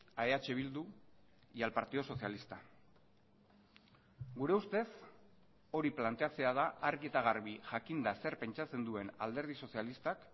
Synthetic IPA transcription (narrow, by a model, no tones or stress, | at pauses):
aeat͡ʃe̞βild̪u | jalpaɾt̪iðo̞so̞sjalist̪a | ɡuɾe̞ust̪e̞s | o̞ɾiplant̪e̞at͡se̞aðaaɾɣie̞t̪aɣ̞aɾβiʝakind̪ase̞rpe̞nt͡ʃat͡se̞nd̪ue̞na̰ld̪e̞ɾð̞iso̞sialist̪ak